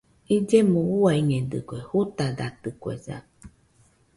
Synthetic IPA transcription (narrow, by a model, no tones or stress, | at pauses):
id͡ʒemũuaiŋẽd̪ɨ̰kʷehut̪ad̪at̪ɨkwḛza̰